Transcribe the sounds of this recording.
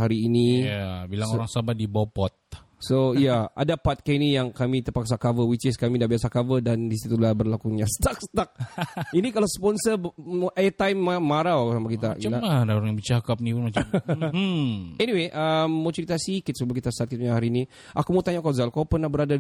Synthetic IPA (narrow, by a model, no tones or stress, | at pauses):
aɾiːnijabilaŋoɾaŋsabat̪̚dibɔpɔt̪̚ | soijaa̰dapat̪̚kainijaŋkamit̪əpaksakavəwit͡ʃɪskamidabiasakavədandisit̪t̪ulahbərlakuɲast̪ak̚st̪ak̚inikalawspɔnsəʔaət̪ajmːaːaɾawakusamakit̪aalaadaoɾaŋjaŋbit͡ʃakap̚nipunmat͡ʃm | ɛniweʔəmːot͡ʃikit̪asikit̪̚səbəlkit̪asat̪̚kit̪̚ɲaɦaɾiːni | ʔakumaut̪aɲakazalkawpərnahbəɾada